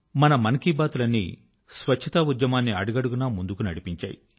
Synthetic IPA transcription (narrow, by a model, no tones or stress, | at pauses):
mɐnɐmɐnkiːbaːt̪ulɐnːḭ | sʋɐt͡ʃʰːɐt̪ɐud̪jɐmaːnːiɐɽuɡɐɽuɡunamund̪ukunɐɽipiɲt͡ʃa̰ːji